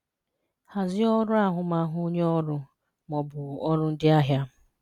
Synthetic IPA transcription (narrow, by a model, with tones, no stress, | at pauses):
ha˨zɪ˦ɔ˦ɾʊ˦a˦ɦʊ˨ma˦ɦʊ˦o˦ɲe˦ɔ˦ɾʊ˦ | mɔ˨bʊ˨ɔ˦ɾʊ˦n̩˦dɪ˦a˦ɦja˦